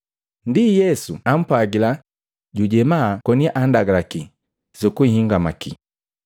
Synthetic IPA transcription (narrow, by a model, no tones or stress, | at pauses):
ndijɛsuam̩paɡila | ɟuɟɛmakɔniaʔandaɡalaki | zukuihiŋɡamaki